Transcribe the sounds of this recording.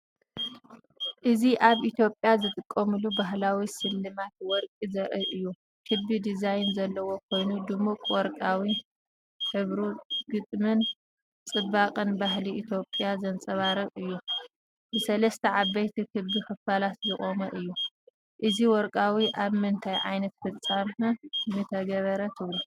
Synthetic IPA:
ʔɨziʔaβʔit̪ʰjo̞pʼjazɨt̪ʼɨkʼːɐmɨlubaɦlawisɨlːɨmat̪wɔɾkʼizɐʔɨʔɨjːu | kʰɨbid̪izajnzɐlːɐwo̞kʰo̞jnud̪ɨmukʼwɔɾkʼawi | ħɨβɾuɡɨt̪ʼmɨn | t͡sʼɨbːakʼɨnbaɦliʔit̪ʰjo̞pʼjazɐnt͡sʼɐβaɾɐβɨjːu | bɨsɐlɐst̪ʰɐʕaβːɐjt̪ʰikʰɨbikɨfalat̪zɨχʼomɐʔɨjːu | ʔɨziwɔɾkʼawiʔaβmɨnt̪ʰajʕa̰jnɐt̪fɨt͡sʼːamɐmɨt̪ʰɐɡɐβɐɾɐt̪ʰɨβlu

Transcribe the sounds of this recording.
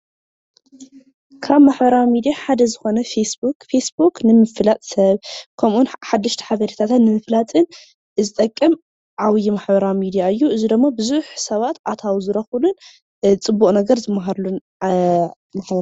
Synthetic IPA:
kʰaβmaħbɐɾawimid̪ijaħad̪ɐzɨxo̞nɐfesbukfesbuknɨmɨfɨlat̪ʼsɐβkʰɐmʔunħad̪ːɨʃt̪ʰɐ̥ħaβɐɾit̪ʰat̪ʰɨnːɨmɨflat̪ʼɨn | zɨt̪ʼɐkʼːɨm | ʕawjimaħbɐɾawmid̪ijaɨjːuʔɨzid̪ɨmːabɨzuħsɐβat̪ʔat̪ʰawzɨɾɐxulun | t͡sʼɨbːukʼnɐɡɐɾzɨmːaɦaɾlun | maħbɐɾ

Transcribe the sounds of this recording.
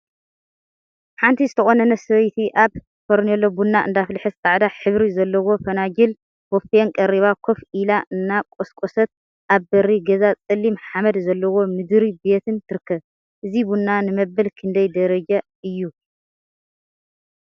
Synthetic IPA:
ħant̪ʰizɨt̪ʰɐxʼonɐnɐsɐβɐjt̪ʰiʔaβ | fʰoɾnɐlːo̞bunːaʔɨ̰nd̪aflɨħɨst̪ʼaʕd̪aħɨβɾizɐlːɐwo̞fɐnad͡ʒɪl | wofenkʼɐɾiβakʰofʔilaʔɨnːakʼoskʼosɐt̪̚ | ʔaβbɐɾiɡɐzat͡sʼɨlːimħamɐd̪zɐlːɐwo̞mɨd̪ɾibe̞t̪ʰɨnt̪ʰɨɾɨkʰːɐβ | ʔɨzibunːanɨmɐbːɐlkʰɨnd̪ɐjd̪ɐɾɐd͡ʒa | ɨjːu

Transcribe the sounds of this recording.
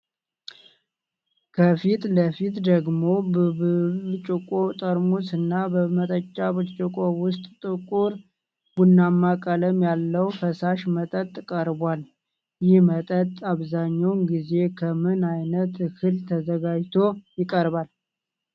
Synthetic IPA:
kʰəfit̪ləfit̪d̪əɡmo̞bəβɨt͡ʃʼɪkʼot̪ʼəɾmusɨnːabəmət̪ʼət͡ʃʼːabɨt͡ʃʼɨkʼowʊst̪ʼt̪ʼɨkʼuɾ | b̥unːamːakʼələmjalːəwfəsaʃmət̪ʼət̪ʼːkʼəɾbwal | jɪhmət̪ʼət̪ʼːaβzaɲːawnɡize̞kʰəmɨnajnət̪hɨlt̪ʰəzəɡad͡ʒt̪ʰo̞jɪkʼəɾbal

